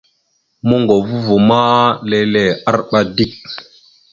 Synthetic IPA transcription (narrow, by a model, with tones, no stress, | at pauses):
mu˦ŋɡo˨vu˦vu˨ma˦le˦le˨a˦ɾɓa˦di˦k̚